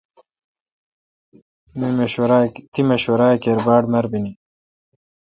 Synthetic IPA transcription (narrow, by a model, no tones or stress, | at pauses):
miɾt̪imɐɕwɐɾaːkeɾbaːɖmɐɾbini